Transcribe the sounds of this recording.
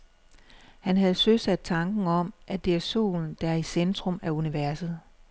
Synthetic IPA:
hænɦæð̞̩ˠsøsæd̥̚t͡sʰɑ̈ŋɡ̥n̩ɒ̽m̰ʔæd̥e̝æɐso̝̰ːln̩d̥æɐisend̥ʁɔ̽mæuniʋæɐsð̩ˠ

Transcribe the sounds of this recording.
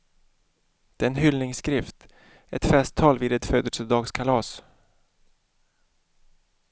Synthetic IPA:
d̪̥ɛɛnɦʏlnɪŋskɾɪft̪ | ɛt̪fɛst̪ʰːɑːlviːd̪ɛt̪føːd̪əlsəd̪ɑːɡskʰalɑːs

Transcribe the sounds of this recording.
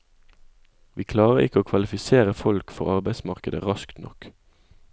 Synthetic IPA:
ʋiːkʰlɑːʁəʁɪkəoːkʰʋɑlɪfɪseːʁəfɔlkfɔ̰ʁɑʁbæɪsmɑʁkəd̪ə̰ʁɑskt̪nɔ̰k

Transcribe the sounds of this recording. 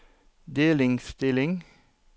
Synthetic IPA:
d̪eːlɪŋst̪ɪlɪŋ

